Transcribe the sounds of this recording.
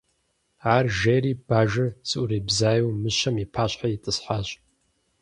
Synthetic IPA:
aːrʒejɾiːb̥aːʒɐsɨʔuɾibzaːjowmɨʃɐmipʰaːɕħajitʼɨsħaːɕʼ

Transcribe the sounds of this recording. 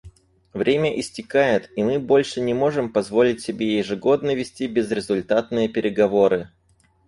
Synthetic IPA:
vɾʲemʲəʔɪsʲtʲɪkajɪt̪imɨbo̞lʲʂɨnʲɪmo̞ʐɨmpɐzvo̞lʲɪtʲsʲɪbʲejɪʐɨɡo̞d̪nəvʲɪsʲtʲibʲɪzɾʲɪzʊlʲt̪at̪̚nɨjəpʲɪɾʲɪɡɐvo̞ɾɨ

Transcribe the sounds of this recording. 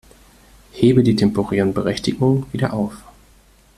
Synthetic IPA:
heːbədiːtʰɛmpoʁɛːʁənbəʁɛçtɪɡʊŋəviːdɐʔaʊf

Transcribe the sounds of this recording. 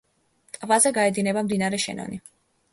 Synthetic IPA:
t̪ʼvazɛɡaɛd̪inɛbamd̪inaɾɛʃɛ̰nɔ̰ni

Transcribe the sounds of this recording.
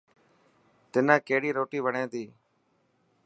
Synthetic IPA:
t̪ɪnãːkeːɦɽiːɾoːʈiːʋəɳẽːt̪iː

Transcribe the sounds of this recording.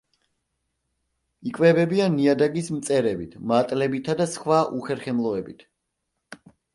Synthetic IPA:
ikʼwɛbɛbianːiad̪aɡismt̪sʼɛɾɛbit̪ʰmat̪ʼlɛbit̪ʰad̪asχwaʔuχɛɾχɛmlˠɔɛbit̪ʰ

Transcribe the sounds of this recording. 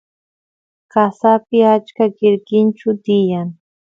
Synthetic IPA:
kasapɪat͡ʃkakɪɾkɪnt͡ʃʊt̪ɪjaŋ

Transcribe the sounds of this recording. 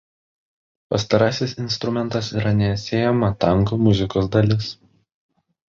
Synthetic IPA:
pɐst̪ɐɾɑːsʲɪsɪnst̪ɾʊmʲɛnt̪ɐsiːɾɐnʲɛːsʲeːjɛmɐt̪ɐŋˑkomʊzʲɪkoːsd̪ɐlʲɪs

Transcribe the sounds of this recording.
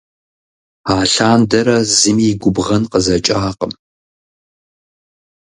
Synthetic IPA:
aːɬaːndɐɾɐzɨmiɡʷʊbʁɐnqəzɐt͡ʃʼaːqəm

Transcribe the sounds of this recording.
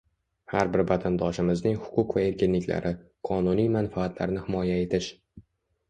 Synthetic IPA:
haɾbɪɾvat̪ʰand̪ɒʃɪmɪznɪŋhʊ̥qʰʊqvae̞ɾkʲɪnlɪkʲla̰ɾʔɪ | qʰɒnʊnijmanfaːt̪ʰla̰ɾnɪhɪmɒjae̞t̪ʰɪʃ

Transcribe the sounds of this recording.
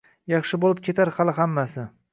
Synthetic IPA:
jɑχʃɪbolɪp̚kʲʰe̞t̪ʰaɾhɑlˠɪɦamːasɪ

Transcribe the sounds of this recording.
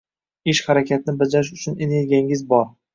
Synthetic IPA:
ɪʃχaɾakʲʰat̪ʰɪnɪbad͡ʒaɾɪʃ̬ʊt͡ʃʰʊneneɾɡʲijaŋɪzbɒɾ

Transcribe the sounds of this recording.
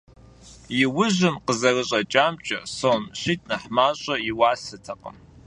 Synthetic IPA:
jɪwʊʑɪmqəzɐrɨɕʼɐt͡ʃʼaːmt͡ʃʼɐ̰soːmɕiːtʰʼnɐħmaːɕʼɐjɪwaːsɐtʰɐqə̰m

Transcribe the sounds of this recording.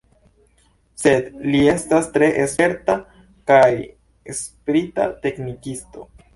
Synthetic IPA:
se̞dlie̞stastɾe̞ʔese̞ɾta | kaj | espɾita̰te̞knikisto̞

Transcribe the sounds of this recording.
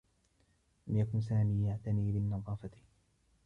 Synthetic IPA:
lʔamjakʊns̬aːmiːjaʕt̪aniːlɪnːɑðˤɑːfat̪ɪ̥

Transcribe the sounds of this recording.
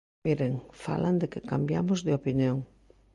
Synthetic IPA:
miɾeŋfa̰land̪ɪkɪkambjamʊzðɪopinjoŋ

